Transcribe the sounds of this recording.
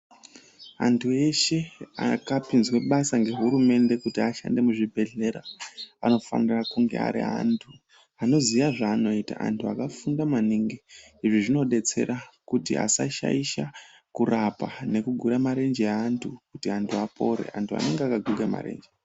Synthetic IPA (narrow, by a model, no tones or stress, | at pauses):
a̰ntʰue̞ʃe̞akapinzwe̞ɓasaŋɡe̞ɦuɾume̞nde̞kutiaʃa̰nde̞muʐibʱe̞ɮe̞ɾaano̞fa̰nirakuŋɡḛa̰ɾḭa̰ntʰu | ano̞ziʋaʐaːno̞ita̰ʔa̰ntʰuakafundamaniŋɡe | iʐiʐino̞ɗe̞t͡se̞̰ɾʔakutia̰saʃa̰iʃa | kurapane̞kuɡʱuɾamaɾe̞nd͡ʒeantʰukutiantʰuapʰo̞ɾe̞̰ʔa̰ntʰua̰ne̞ŋɡeakaɡʱuɡema̰ɾḛːnd͡ʒe